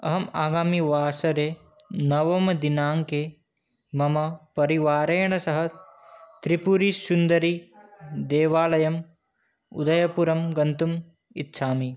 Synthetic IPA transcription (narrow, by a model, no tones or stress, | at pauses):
ɐɦɐmaːɡaːmiʋaːsɐɾeː | nɐʋɐmɐd̪inaːŋke | mɐmɐpɐɾiʋaːɾɐjɐɳ̃ɐsɐɦɐt̪ɾipuɾisund̪ɐɾid̪eːʋaːlɐjɐm | ṵd̪ɐjɐpuɾɐmɡɐnt̪um | itːʃʰaːmi